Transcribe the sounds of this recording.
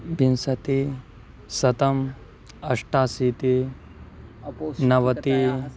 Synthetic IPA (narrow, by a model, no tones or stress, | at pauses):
bʱinsɐt̪i | sɐt̪ɐm | ɐʂʈaːsiːt̪i | nɐʋɐt̪i